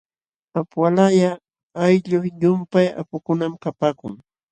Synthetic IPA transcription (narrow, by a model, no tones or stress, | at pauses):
apwalaja | ajʎʊχjʊmpaja̰pʊkʊnamkapaːkʊŋ